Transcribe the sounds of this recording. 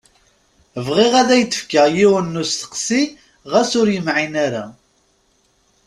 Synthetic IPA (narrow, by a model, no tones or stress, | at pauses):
əvʁɪʁæðæjət̪ːə̥fkajiwənːusθə̥qsi | ʁæsʊɾjəmʕinaɾa